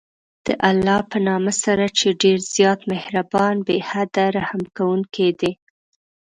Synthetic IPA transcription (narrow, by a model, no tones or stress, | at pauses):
d̪̥ə̰ʔalːɑpənɑməsaɾat͡ʃeɖeɾzjɑt̪mɪhɾabɑnbehad̪aɾahamkawuŋked̪e